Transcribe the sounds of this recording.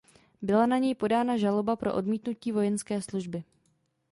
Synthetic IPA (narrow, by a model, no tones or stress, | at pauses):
bɪlanaɲɛjpo̞daːnaʒalo̞bapɾo̞ʔodmiːt̪nuciːvo̞jɛnskɛːsluʒbɪ